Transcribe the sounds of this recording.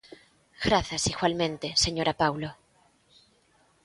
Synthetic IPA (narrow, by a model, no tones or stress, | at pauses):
ɣ̥ɾaθasiɣwalmẽnt̪e̞se̞ɲoɾʔapawlo